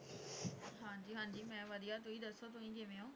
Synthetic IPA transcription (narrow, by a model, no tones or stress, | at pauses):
ɦãːd͡ʒiːɦãːɲd͡ʒiːmɛ̃ːʋəd̪ijaːt̪̬ʊiːd̪əsot̪̬ʊĩːd͡ʒɪʋẽːõː